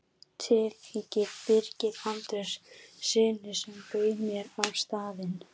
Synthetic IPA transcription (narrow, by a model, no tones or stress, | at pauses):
t̪ʰɪliːcɪɾpɪɾcɪɾant̪ʏssɪːnɪ̥sɛmpœːɥmjɛɾawst̪aːðɪn